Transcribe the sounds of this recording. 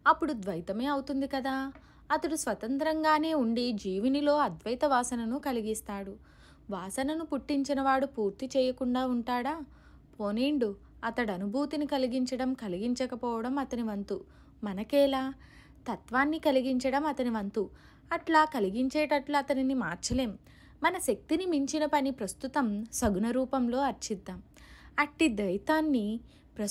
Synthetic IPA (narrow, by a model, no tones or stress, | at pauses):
ɐpːuɽud̪ʋɐjt̪ɐme̞ːɐwut̪und̪ikɐd̪aː | ɐt̪ɐɽusʋɐt̪ɐnt̪ɾɐŋɡaːne̞ːuɳɖid͡ʒiːʋinilo̞ːɐd̪ʋɐjt̪ɐʋaːsɐnɐnukɐliɡist̪aːɽu | ʋaːsɐnɐnupuʈːiɲt͡ʃinɐʋaːɽupuːɾt̪it͡ʃɛːjɐkuɳɖaːuɳʈaːɽaː | poːneːɳɖu | ɐt̪ɐɽɐnubʱuːt̪inikɐliɡiɲt͡ʃɐɽɐmkɐliɡiɲt͡ʃɐkɐpɔːʋɐɽɐmɐt̪ɐniʋɐnt̪u | mɐnɐkɛːlaː | t̪ɐt̪ʋaːnːikɐliɡiɲt͡ʃɐɽɐmɐt̪ɐniʋɐnt̪u | ɐʈlaːkɐliɡiɲt͡ʃeːʈɐʈluɐt̪ɐninimaːɾt͡ʃɐle̞ːmː | ɐnɐʃɐk̚t̪inimiɲt͡ʃinɐpɐnipɾɐst̪ut̪ɐmsɐɡunɐɾuːpɐmlo̞ːɐɾt͡ʃid̪ːaːm | ɐʈːid̪ɐjt̪aːnːi | pɾɐ